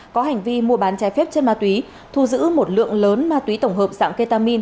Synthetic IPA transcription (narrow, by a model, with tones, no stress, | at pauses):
kɔ˨˦ɦa˨˩jŋ̟vi˧mu˧əɓaː˨˦nt͡ɕaː˨˦jfe˦˥p̚t͡ɕe˧nmaː˧t̪wi˨˦ | t̪ʰu˧˩zɨ̰˧˥mo˨˩t̚lɨ̰˧˨əŋləː˨˦nmaː˧t̪wi˨˦t̪ə˧˩wŋ͡mɦəː˨˩p̚za̰ː˧˥ŋke˧t̪aː˧mi˧n